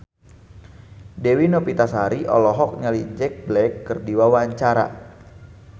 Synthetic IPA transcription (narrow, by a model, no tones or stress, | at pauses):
dɛwinopit̪asaɾiʔɔ̰lɔɦɔk̚ɲəlid͡ʒɛk̚blɛkːərdiwawaɲt͡ʃaɾa̰